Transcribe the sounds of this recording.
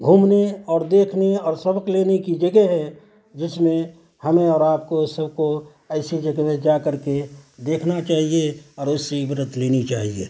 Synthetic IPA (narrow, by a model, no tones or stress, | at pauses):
ɡʱuːmneɔːɾd̪eːkʰneɔːɾsɐbəkleːnekid͡ʒəɡɛɦɛ | d͡ʒɪsmẽ | hɐmẽɔːɾaːp̚kosɐbko | ɛːɪsid͡ʒəɡɛmẽd͡ʒakəɾked̪eːkʰnat͡ʃaːɦieɔːɾʊsːibɾət̪leːnit͡ʃaːɦiḛː